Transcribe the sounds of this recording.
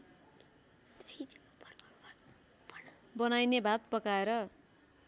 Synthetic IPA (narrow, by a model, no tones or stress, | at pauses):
i | bʌnajnebat̪̚pʌkaeɾʌ